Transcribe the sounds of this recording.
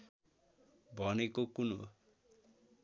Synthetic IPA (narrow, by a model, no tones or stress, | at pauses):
bʱʌnekokuno